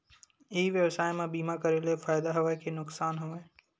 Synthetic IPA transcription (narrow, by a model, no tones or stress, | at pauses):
eiʋjəwsaːjmẽbiːmakɐɾelefaːjd̪aɦɐʋajkenʊksaːnɦɐʋae